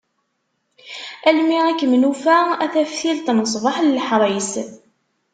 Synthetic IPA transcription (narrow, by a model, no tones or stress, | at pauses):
ælmiʁækːəmnufææθæfθilt̪nəsˤvɑħləlħɾˤəjs